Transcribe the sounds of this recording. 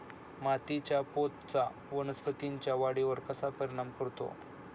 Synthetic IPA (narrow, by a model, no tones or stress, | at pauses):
mat̪it͡ɕjapot̪t͡sa | ʋənəspət̪iɲt͡ɕjaʋaɽiʋəɾkəsapəɾiɽ̃amkəɾt̪o̰